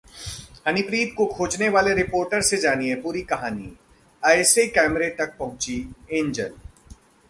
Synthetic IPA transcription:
hɐnɪpɾiːd̪̚kokʰoːd͡ʒneʋaːleɾɪpoːɾʈəɾsed͡ʒaːniepuːɾikɐɦaːnḭ | aɪsekɛːmɾet̪ɐk̚pɐɦʊ̃t͡ʃiẽːɲd͡ʒə̰l

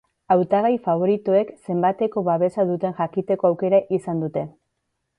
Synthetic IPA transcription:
awt̪aɣajfaβo̞ɾit̪oe̞kse̞mbat̪e̞ko̞βaβe̞saðut̪e̞nʝakit̪e̞ko̞awke̞ɾaʔisand̪ut̪e̞

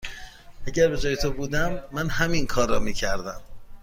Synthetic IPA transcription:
ʔæɟæɾbe̞d͡ʒɒːje̞t̪ʰobuːd̪æmːænhæminkʰɒːɾːɒːmiːcʰæɾd̪æm

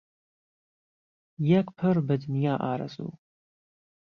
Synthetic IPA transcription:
jɛkʷʰʼpʰɐrbɐdɨnijaːʔaːɾɐ̰zʼṵː

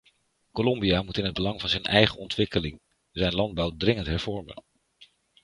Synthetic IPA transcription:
kolɔmbiamutɪnɦəd̚bəlɑŋvɑnzɛjnʔɛjχəɔntʋɪkəlɪŋ | zɛjnlɑnd̚bɑwdrɪŋəntɦɛɹv̥ɔɹmə̰n

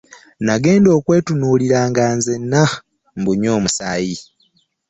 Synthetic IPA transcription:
naɡe̞ːndo̞ːkwe̞ːtunuːliɾaːŋɡaːnzenːa | mbuɲo̞ːmusaːji

